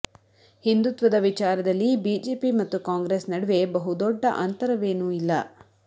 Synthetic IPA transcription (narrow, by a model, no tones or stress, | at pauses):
hind̪ut̪ʋɐd̪ɐʋit͡ʃaːɾɐd̪ɐlːibiːd͡ʒeːpimɐt̪ːukaːŋɡɾesnɐɽɐʋe̞bɐɦud̪ɔɖːɐʔɐnt̪ɐɾɐʋe̞ːnuːilːɐ̰